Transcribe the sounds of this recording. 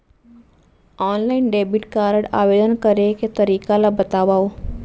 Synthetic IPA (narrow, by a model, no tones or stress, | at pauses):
ɔːnlainɖeːbiʈkaːɾəɽa̰ːʋeːd̪ənkəɾeket̪əɾiːkalabət̪aːʋao